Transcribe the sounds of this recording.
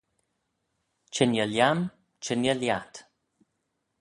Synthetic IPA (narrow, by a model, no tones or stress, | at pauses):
t͡ʃənjəljam | t͡ʃʰənəljat̪